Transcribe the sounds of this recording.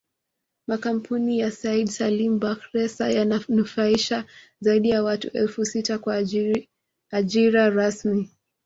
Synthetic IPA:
makam̩pʰunijasaiɗsalimbakɾɛsajananufaiʃa | zaiɗijawatṵʔɛlfusitakwa | aʄiɾaɾasmi

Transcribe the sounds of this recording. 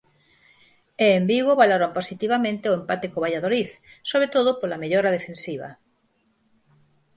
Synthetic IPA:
eːmbiɣoβaloɾomposit̪iβamẽnt̪eoempat̪ekoβaʎaðoliθsoβɾet̪oðopolameʎoɾað̞efẽnsiβ̞ɐ̰

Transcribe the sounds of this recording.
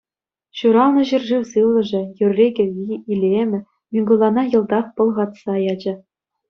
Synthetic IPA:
ɕuɾɑlˠnɤ̆ʑyrʐiwsɯlˠɤ̆ʐɘ̆jyrʲːeɡʲɘ̆iilʲemʲɘ̆ | mʲiɡŭlˠːɑnɑjɤ̆lˠd̪ɑχpɤ̆lˠʁɑt̪sɑjɑd͡ʑɤ̆

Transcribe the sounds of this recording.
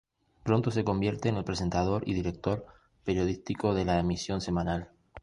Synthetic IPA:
pɾo̞nt̪o̞se̞ko̞mbje̞ɾt̪e̞ːnelpɾe̞se̞nt̪að̞o̞ɾḭðiɾe̞k̚t̪o̞ɾ | pe̞ɾjo̞ðist̪iko̞ðe̞laemisjo̞nse̞mãnal

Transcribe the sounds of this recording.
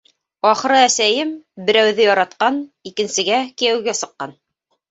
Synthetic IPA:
ɑχɤ̆ɾɤæsæjɘmbɘ̆ɾæwðɘjɑɾɑt̪qɑnikɘ̆nsɘ̆ɡækijæwɡæsɤ̆qːɑn

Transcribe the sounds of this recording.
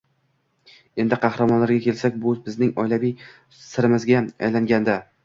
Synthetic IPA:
e̞nd̪ɪqʰɑhɾamɒnlaɾɡʲakʲʰe̞lsakʲbʊbɪznɪŋɒjlavij | sɪɾɪmɪzɡʲaa̰jlaŋɡʲand̪a

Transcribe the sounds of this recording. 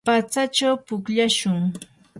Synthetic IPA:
pat͡sat͡ʃawpʊkʎaʃʊŋ

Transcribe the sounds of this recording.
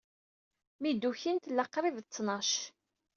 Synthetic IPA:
mid̪uçint̪lːɑqːɾˤivt͡sːnɑʃ

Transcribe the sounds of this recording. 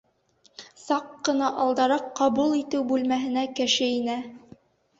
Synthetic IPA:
sɑqːɤ̆nɑʔɑlˠd̪ɑɾɑqːɑβulˠit̪ɘwbʉlmæɦɘ̆nækɘ̆ʃɘinæ

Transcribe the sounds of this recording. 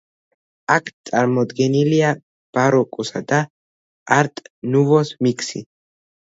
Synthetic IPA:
akʰt̪sʼaɾmɔd̪ɡɛnilia | b̥aɾɔkʼɔsad̪a | aɾt̪ʼnuvɔsmikʰsḭ

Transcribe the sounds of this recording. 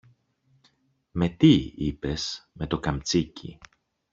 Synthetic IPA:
me̞t̪iipe̞sme̞t̪o̞kɐmt͡sicḭ

